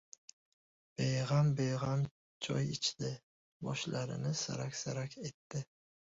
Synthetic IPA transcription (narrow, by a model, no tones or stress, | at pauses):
b̥ejʁambejʁam | t͡ʃʰɒ̰jɪt͡ʃʰd̪ɪ | bɒʃlʔaɾɪ̰nɪsa̰ɾakʲsaɾakʲe̞t̪ːɪ